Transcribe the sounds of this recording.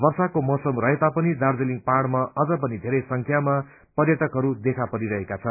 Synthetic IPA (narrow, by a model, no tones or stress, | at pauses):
bʌrsakomʌsʌmrʌɦet̪apʌnid̪ard͡zeliŋɡ̚paɽmaʌd͡zʌp̬ʌnid̪ʱeɾʌjsʌŋkʰjama | pʌrjʌʈʌkɦʌɾud̪ekʰapʌɾiɾʌɦekat͡sʰʌn